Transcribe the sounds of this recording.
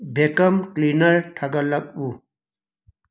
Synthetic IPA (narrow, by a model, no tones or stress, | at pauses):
bʱekɐmklinɐɾʈʰɐɡɐlɐk̚u